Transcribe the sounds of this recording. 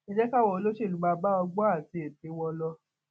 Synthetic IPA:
i˦d͡ʒɛ˦ka˦˨wɔ˨o˧lo˦ʃe˦˨lu˦ɡ͡ba˧ba˦ɔ˧ɡ͡bɔ˦a˦˨ti˨˦e˨ti˨˦wɔ˧lɔ˧

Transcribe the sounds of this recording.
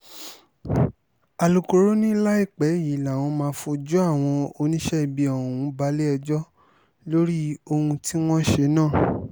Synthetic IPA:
a˨lu˨ko˧ɾo˦nĩ˦i˦la˦i˦˨k͡pɛ˨˦ji˨˦˨la˨w̃ɔ̃˧mãː˧˦fo˧d͡ʒu˦a˦˨w̃ɔ̃˧o˧nĩ˦ʃɛ˦i˧bi˧ɔ˨ũ˨˦ba˦le˦ɛ˧d͡ʒɔ˦ | lo˦ɾi˦o˧hũ˧ti˦w̃ɔ̃˦ʃe˧˦nãː˦˨

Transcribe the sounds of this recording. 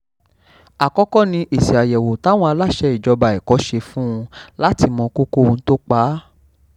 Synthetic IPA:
a˨kɔ˦kɔ˦nĩ˧ʔi˨si˨a˨jɛ˨wo˨ta˨˦w̃ɔ̃˧a˧la˦˨ʃɛ˧i˨d͡ʒɔ˧ba˨i˨kɔ˨˦ʃe˧fũ˦ũ˧la˦ti˧mɔ̃˧ko˦ko˦ũ˧˦to˦k͡paː˨˦

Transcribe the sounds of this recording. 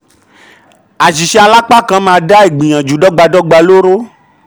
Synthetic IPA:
a˨ʃi˨ʃɛ˧˦a˧la˦k͡pa˦kã˧˦mãː˧˦˧da˦e˨ɡ͡bĩ˨j̃ã˨d͡ʒu˨˦dɔ˦ɡ͡ba˧dɔ˦ɡ͡ba˧lo˦ɾo˦

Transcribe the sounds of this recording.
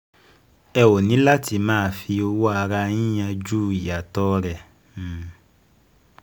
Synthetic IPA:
ɛ˧wo˨nĩ˨˦la˦ti˧mãː˦˧fi˧o˧wo˦a˧ɾa˧jĩ˦j̃ã˧d͡ʒu˦˨i˨ja˨tɔ˦˧ɾɛ˨

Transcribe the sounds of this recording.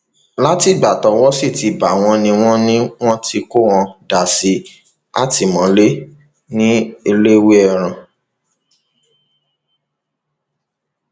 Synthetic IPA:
la˦ti˦˨ɡ͡ba˨tɔ˨˦wɔ˦si˦˨ti˨ba˨w̃ɔ̃˧nĩ˧w̃ɔ̃˦nĩ˦w̃ɔ̃˦ti˦ko˦˨w̃ɔ̃˧da˨si˧ | a̰˦˨ti˨mɔ̃˨˦le˦ | nĩ˦e˧le˦we˦ɛ˦˧˨ɾ̃ã˨

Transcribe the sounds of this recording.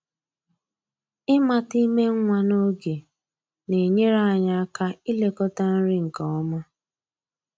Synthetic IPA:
ɪ˦ma˨ti˦me˦ŋ̩˦ŋʷa˨no˦ɡe˨ | ne˨ɲe˦ɾa˦˨ɲa˦a˦ka˦ɪ˦le˨kɔ˦ta˦n̩˦ɾɪ˦ŋ̩˨kɔ˨ɔ˦mʊ˦

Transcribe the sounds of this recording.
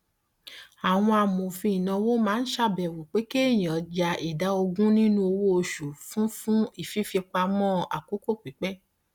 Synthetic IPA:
a˨w̃ɔ̃˧a˧mo˨fĩ˧i˨nã˧wo˦mãː˦n̩˦ʃa˦˨bɛ˨wo˨k͡pe˨˦ke˦˨j̃ĩ˨ɔ˨˧d͡ʒa˧i˨da˨˦o˧ɡũ˦nĩ˦nũ˦o˧wo˦o˧ʃu˨fũ˦fũ˦i˦˨fi˦fi˧k͡pa˧mɔ̃˦a˨ko˨˦ko˦˨k͡pi˨˦k͡pɛ˦

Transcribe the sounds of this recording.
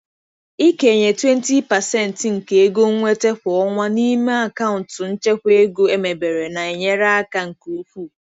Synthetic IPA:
i˦ke˨e˨ɲe˨twe˦n̩˦ti˦pa˨sɛ˦n̩˨tŋ̩˨ke˨e˦ɡo˦ŋ̩˦ŋʷe˦te˦ɸʷʊ˨ɔ˦ŋʷa˦ni˦me˦a˨ka˦ʊ˨n̩˨tʊ˨n̩˦t͡ʃe˦kʷe˦ɡo˦e˦me˨be˨ɾe˨na˨e˨ɲe˦ɾa˦a˦ka˦ŋ̩˨ku˦ɸʷu˦˨

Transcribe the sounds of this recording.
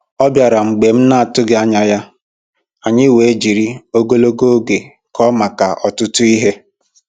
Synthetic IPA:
ɔ˦bja˨ɾa˨ŋ͡m̩˨ɡ͡be˨m̩˦na˦a˨tʊ˦ɡe˦a˦ɲa˦ja˦ | a˨ɲɪ˦we˨e˦d͡ʒi˨ɾi˦o˦ɡo˦lo˦ɡo˦o˦ɡe˨ | kʰɔ˦ma˨ka˨ʔɔ˨tʊ˦tʊ˦i˦ɦe˦

